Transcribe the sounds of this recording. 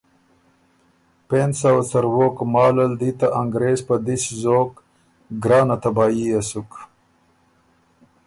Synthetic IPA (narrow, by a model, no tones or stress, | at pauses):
pensawt͡sɐɾwokmɑːlɐld̪it̪aʔaŋɡɾeːzpad̪iszoːk | ɡɾɑːnat̪ɐbɑːiasuk